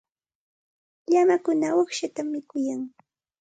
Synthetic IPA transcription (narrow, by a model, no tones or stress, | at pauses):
ʎamakʊnawakʃat̪amːɪkʊjaŋ